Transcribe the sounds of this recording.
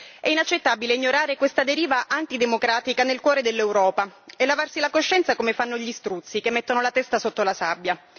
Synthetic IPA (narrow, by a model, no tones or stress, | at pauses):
ɛinat͡ʃːet̪ːabileiɲːoɾaːɾekwest̪ad̪eɾiːvaʔant̪id̪emokɾaːt̪ikanelkwɔːɾed̪elːewɾɔːpaelːavarsilakoʃːɛnt̪sakomefanːoʎist̪ɾut̪sːikemːet̪ːonolat̪ɛst̪asot̪ːolasabːja